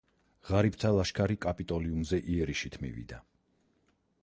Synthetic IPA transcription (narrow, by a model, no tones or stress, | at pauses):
ʁ̥aɾip̚t̪ʰalˠaʃkʰaɾikʼapʼit̪ʼɔliumzɛʔiɛɾiʃit̪ʰmḭvḭd̪a